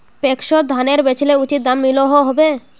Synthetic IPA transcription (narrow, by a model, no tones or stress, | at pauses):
pekʃod̪ʱaneɾbet͡ɕʰileut͡ʃit̪̚d̪amːiloɦoɦɔbe